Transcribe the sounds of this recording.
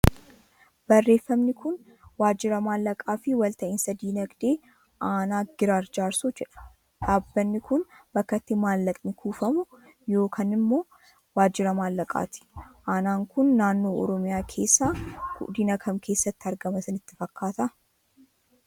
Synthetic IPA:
b̥ɐrːe̞ːfːɐmnɪkʰʊn | waːd͡ʒːɪɾɐmaːlːɐkʼaːfɪwɐlt̪ɐʔɪnsɐd̪iːnɐɡd̪e̞ː | ʔaːnaːɡ̥ɪɾaːɾd͡ʒaːɾsud͡ʒɛᶑɐ̥ | ᶑ̪aːbːɐnːɪkʊnb̥ɐkːɐt̪ːɪmaːlːɐk̪ʼnɪkʰuːfɐmʊ | jo̞ːkʰaːnɪmːo̞ː | waːd͡ʒːɪɾɐmaːlːɐkʼa̰ːt̪ɪ̥ʔaːnaːŋkʊnːaːnːo̞ːɔ̰ɾɔmɪjaːkʰe̞ːsːaːkʊ̰ʔd̪ɪnɐkʰɐmkʰe̞ːsːɐt̪ːɪɐɾɡɐmɐsɐnɪt̪ːɪfɐkːaːt̪ɐ

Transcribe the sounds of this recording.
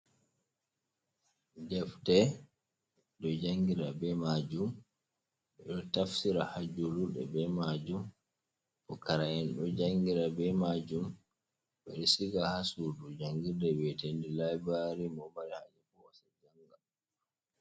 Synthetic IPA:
d͡ʒɛftɛ | ɗɔd͡ʒaŋɡiɾabɛmad͡ʒum | ɓɛɗɔtafsiɾahad͡ʒoluɗɛ̰bɛmad͡ʒum | pɔkaɾajɛnɗɔd͡ʒaŋɡiɾabɛmad͡ʒum | ɓɛɗisiɡahasudud͡ʒaŋɡidɛbɛtendilajbaɾimɔbaɾɛhad͡ʒɛfɔwasad͡ʒaŋɡa

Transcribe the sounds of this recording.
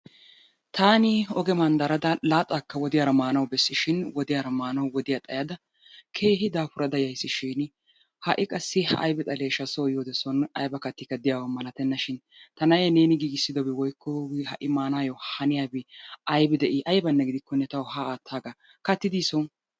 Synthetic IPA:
t̪ʰaːnɪɔɡɛmɐnd̪ɐɾɐd̪ɐlaːt̪ʼːaːkːɐwɔd̪ɪjaːɾɐmaːnɐwbɛsːɪʃɪnwɔd̪ɪjaːɾɐmaːnɐwwɔd̪ɪjat̪ʼɐjɐd̪ɐ | kʰe̞ːɦɪd̪aːfʊɾɐd̪ɐjɐjsːɪʃɪn | hɐʔɪkʼɐsːɪʔɐ̰jbɛt̪ʼɐleːʃɐsojoːd̪ɛsɔnɐjbɐkɐt̪ːɪkːɐd̪ɪjaːwɐmɐlɐt̪ɛnːɐʃɪn | t̪ɐnɐjɛne̞ːnɪɡiːɡɪsːɪd̪ɔbɛwɔjkʰːɔhɐ̰ʔɪmaːnaːjɔhɐnɪjaːbɪɐjbɪd̪ɛʔɪʔɐjbɐnːɛɡɪd̪ɪkːɔnɛt̪ɐwhaaːt̪ʰːaːɡɐ | kɐt̪ːɪd̪iːsɔ

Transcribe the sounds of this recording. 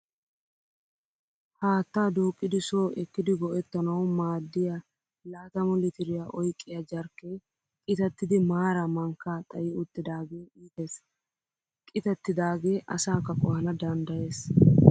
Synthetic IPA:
haːt̪ːaːd̪uːkʼːɪd̪ɪsoːʔɛkːɪd̪ɪɡɔʔɛt̪ːɐnɐwmaːd̪ːɪjɐ | laːt̪ɐmɔlɪt̪ɪɾɪjaʔɔjkʼːɪjɐd͡ʒɐɾkːeː | kʼɪt̪ɐt̪ːɪd̪ɪmaːɾɐmɐŋkːaːt̪ʼɐjɪʊt̪ːɪd̪aːɡe̞ːiːt̪e̞ːs | kʼɪt̪ɛt̪ːɪd̪aːɡe̞ːʔɐsaːkɐkʼɔhɐnɐd̪ɐnd̪ɐje̞ːs

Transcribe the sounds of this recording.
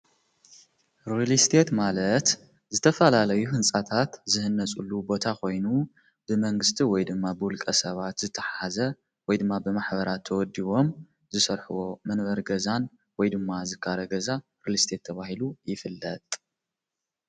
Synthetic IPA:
ɾilist̪ʰe̞t̪malɐt̪ | zɨt̪ʰɐfɐlalɐjuhɨnt͡sʼat̪ʰat̪zɨhɨnːɐt͡sʼulːubo̞t̪ʰako̞jnu | bɨmɐŋɡɨst̪ʰiwɔjd̪ɨmːabɨwʊlkʼɐsɐβat̪zɨt̪ʰːɐħaazɐ | wɔjd̪ɨmːabɨmaħbɐɾat̪ʰːɐwɔd̪ːiβo̞m | zɨsɐɾħuwo̞mɐnβɐɾɡɐzan | wɔjd̪ɨmːazɨkʰːaɾɐɡɐza | ɾilist̪ʰe̞t̪ʰːɐβaɦilujɪfɨlːɐt̪ʼ

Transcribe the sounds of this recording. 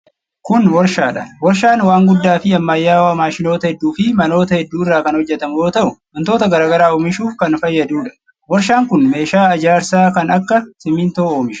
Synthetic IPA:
kʊnwɔɾʃaːᶑɐwɔɾʃaːnwaːŋɡʊd̪ːaːfɪɐmːaːjːaːwɐmaːʃɪno̞ːt̪ɐhɛd̪ːuːfɪmɐno̞ːt̪ɐhɛd̪ːuːɪrːaːkɐnhɔd͡ʒːɛt̪ɐmʊjo̞ːt̪ɐʔʊmɐnt̪o̞ːt̪ɐɡɐɾaːɡɐɾaːoːmɪʃuːfkɐnfɐjːɐd̪uːᶑɐ̥ | wɔɾʃaːŋkʊnme̞ːʃaːɐd͡ʒaːɾsaːkɐnɐkːɐsɪmint̪oːoːmɪʃ

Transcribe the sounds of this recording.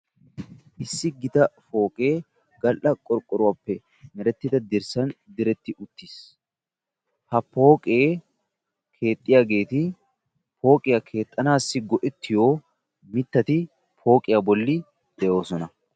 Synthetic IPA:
ʔɪsːɪɡɪt̪ɐfo̞ːkʼeː | ɡɐlʔɐkʼɔɾkʼːɔɾʊwapːɛ | mɛɾɛt̪ːɪd̪ɐd̪ɪɾsɐnd̪ɪɾɛt̪ːɪʔʊt̪ːɪs | hɐpo̞ːkʼeː | kʰe̞ːt̪ʼːɪjaːɡe̞ːt̪ɪ | pʰo̞ːkʼɪjakʰe̞ːt̪ʼːɐnaːsːɪɡɔʔɛt̪ːɪjo̞ː | mɪt̪ːɐt̪ɪ | pʰo̞ːkʼɪjabɔlːɪ | d̪̥ɛʔo̞ːsɔnɐ

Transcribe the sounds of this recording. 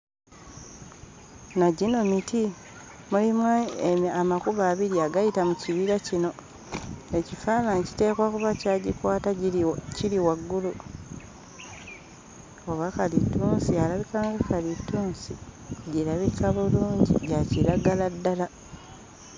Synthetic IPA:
naɟino̞mitʰi | mulimwaeamakuβaːβiɾiaɡajitamuciβiɾacino̞ | ecifaːnaɲci̥te̞ːkwakuβacaɟikwaːtaciliwaɡːulu | oβakalituːnsialaβikaːŋɡakalitːuːnsiɟilaβikʰaβuluːɲɟḭɟaciɾaɡaladːala

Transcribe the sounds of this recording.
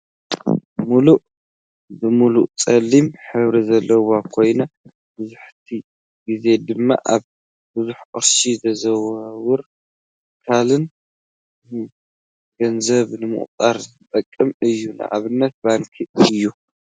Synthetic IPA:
muluʔ | zɨmuluʔt͡sʼɐlːimħɨβɾizɐlːɐwakʰo̞jnɐ | bɨzuħt̪ʰi | ɡize̞d̪ɨmːa̰ʔaβ | bɨzuħqʼɨ̰ɾʃizɐzɐwwɨɾ | kʰalɨn | ɡ̥ɐnzɐβnɨmɨ̰ʔʼt̪ʼaɾzɨt̪ʼɐkʼːɨmɨjːunɨ̰ʕa̰βɨnːɐt̪̚baŋkʰiɨjːu

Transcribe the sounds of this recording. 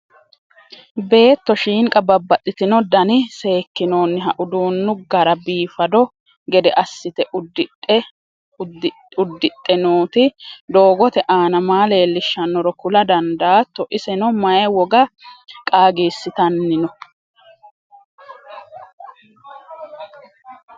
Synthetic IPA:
be̞ːt̪ːɔʃiːŋkʼɐbɐbːɐt̪ʼːɪt̪ɪnɔd̪ɐnɪse̞ːkːɪno̞ːnːɪɦɐʔʊd̪uːnːʊɡɐɾɐbiːfɐd̪ɔ | ɡɛd̪ɛʔɐsːɪt̪ɛ | ʊd̪ːɪt̪ʼːɛnoːt̪ɪd̪o̞ːɡɔt̪ɛʔaːnɐmaːleːlːɪʃːɐnːɔɾɔkʊlɐd̪ɐnd̪aːt̪ːɔʔɪsɛnɔmɐjɛwɔɡɐkʼaːɡiːsːɪt̪ɐnːɪnɔ

